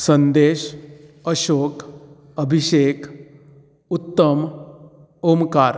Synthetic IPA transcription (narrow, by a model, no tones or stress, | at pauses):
sənd̪eːɕ | əɕokʰ | əbʱiɕekʰ | ut̪ːəm | omkaɾ